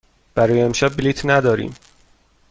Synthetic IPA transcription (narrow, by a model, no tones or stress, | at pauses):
b̥æɾɒːjeemʃæb̚biliːt̪ʰnæd̪ɒːɾḭːm